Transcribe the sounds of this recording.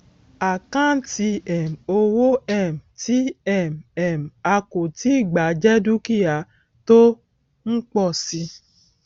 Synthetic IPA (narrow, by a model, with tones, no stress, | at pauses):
a˨kã˦n̩˦ti˧ɛ˨m̩˨o˧wo˦ɛ˦˨m˨ti˦ɛ˦˨m˨ɛ˨m̩˨a˧ko˨ti˦i˦˨ɡ͡ba˨˦d͡ʒɛ˦du˦ki˦˨a˨˦ | to˦ | ŋ̩˦k͡pɔ˦˨si˧